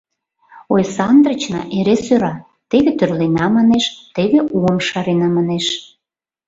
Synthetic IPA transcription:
ojsɑnd̪rət͡ɕnɑ̰ʔeɾesøɾɑ | t̪eβet̪ørlenɑmɑneʃt̪eβeʔuəmʃɑɾenɑmɑneʃ

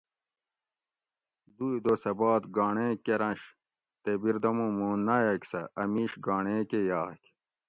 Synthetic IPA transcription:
d̪ujd̪osɐbaːt̪ɡaːɳẽːkeɾɐ̃ɕ | t̪ebiɾd̪ɐmũːmuːnːajɐkʲsɐɐmiːɕɡaːɳeːkejaːkʲ

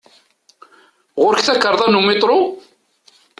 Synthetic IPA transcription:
ʁʊɾkθækːəɾðˤɑnumɪt̪ˤɾo

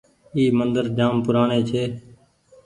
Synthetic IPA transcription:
iːmənd̪əɾd͡ʒaːmpʊɾaːneːt͡ʃʰeː

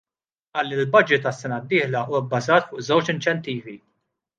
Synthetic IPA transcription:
ʔɐːlːilbɐd͡ʒɪt̪ɐsːɛnɐd̪ːɪːħlɐʔuːwɐbːɐzɐːt̪fʊːʔzɐwt͡ʃɪnt͡ʃɛnt̪iːvi

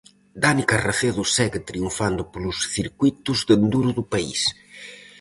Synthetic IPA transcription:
d̪anikaraθeðʊsɛɣet̪ɾiuɱfand̪ʊpolʊsθiɾkujt̪ʊzðend̪uɾʊðʊpaḭs

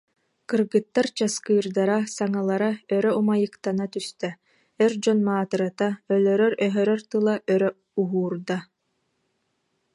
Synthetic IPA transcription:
kɯɾɡɯt̪ːaɾt͡ɕaskɯːɾd̪aɾasaŋalˠaɾaœɾœumajɯkt̪anat̪yst̪ɛ | ɛɾd͡ʑɔnmaːt̪ɯɾat̪aœlœɾœɾœɦœɾœɾt̪ɯlˠaʔœɾœ | uɦuːɾd̪a

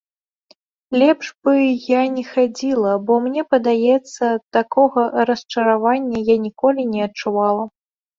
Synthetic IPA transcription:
lʲɛpʐbɨjanʲɛxad͡zʲilˠɐbɔmnʲɛpɐd̪ajɛt̪sːɐt̪akɔɣɐɾɐst͡ʂɐɾavanʲːɐjanʲikɔlʲinʲɛɐt̚t͡ʂuvalˠɐ

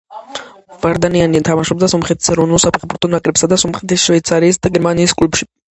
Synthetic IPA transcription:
vaɾd̪anianiat̪ʰamaʃɔb̚d̪asɔmχɛt̪ʰi̥sɛɾɔvnulˠsapʰɛχbuɾt̪ʰɔnakʼlɛpsad̪asɔmχɛt̪ʰisʃvɛit̪sʰaɾiːsd̪aɡɛɾmaniːskʼlupʃi̥

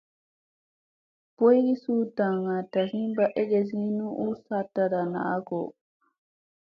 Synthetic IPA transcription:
pɔjɡisutaŋatahimbaʔɛɡɛzinuʔusatːaɾana̰kɔ

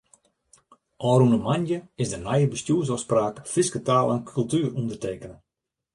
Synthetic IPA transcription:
ʔɔːɾunəmanjəɪsdənajəbəstjuəs̬ɔspraːkfɪskətaːlˠankʰylˠtyːərundərteːkənə

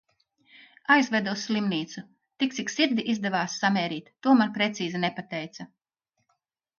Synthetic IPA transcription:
ajzvɛd̪uwsːʲlimniːt̪su | t̪ik̚siksiɾd̪ʲiʔizd̪ɛvaːsːameːɾiːt̪ːuɔmanpɾet̪siːzinepat̪ɛjt̪sa

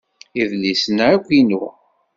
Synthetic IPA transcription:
iðlisənəɾakʷːinu

